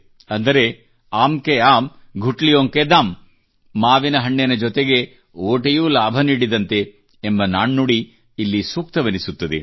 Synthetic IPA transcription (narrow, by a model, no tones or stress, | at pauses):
ɐnd̪ɐɾe | aːmkeaːmɡʱuʈlijoːŋked̪aːmː | aːʋinɐɦɐɳːenɐd͡ʒɔt̪eɡe̞ | oːʈejuːlaːbʱɐniːɽid̪ɐnt̪eː | mbɐnaːɳːuɽiː | lːisuːk̚t̪ɐʋɐnisut̪ːɐd̪ḛ